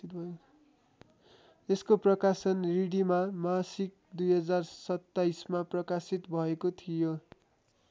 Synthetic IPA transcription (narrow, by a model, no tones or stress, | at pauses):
eskoprʌkasʌnriɽimamasik̚d̪ujɦʌd͡zarsʌt̪ːaismaprʌkasit̪bʱʌekot̪ʰijo